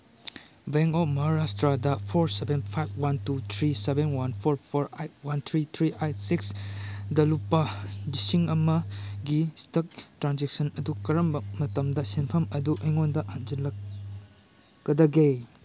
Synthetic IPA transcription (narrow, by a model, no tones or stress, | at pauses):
beŋomɐɾastɾadɐpʰoɾsebenpʰajb̚ʰwantut̪ʰɾisebenwanpʰoɾpʰoɾajwant̪ʰɾit̪ʰɾiʔajtsiksdɐlupːɐdisiŋɐmɐɡistɐk̚tɾanzek̚sɐnɐdukɐɾɐmbɐmɐtɐmdɐsinpʰɐmɐduʔɐjŋondɐhand͡ʒɐlɐ | ɡɐdɐɡe